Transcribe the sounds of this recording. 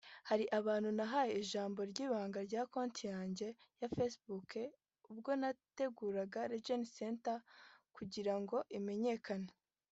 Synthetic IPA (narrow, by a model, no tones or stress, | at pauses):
haɾiʔaβaːnhunaɦaje̞iʒaːmbo̞ɾɟiːβaːŋɡaɾɟaːko̞ːntijaːɲɟe̞ | jafesbuke | ub̚ɡo̞nate̞ɡuːɾaɡaɾed͡ʒeniseːntakuɟiɾaŋɡo̞ʔime̞ɲe̞kana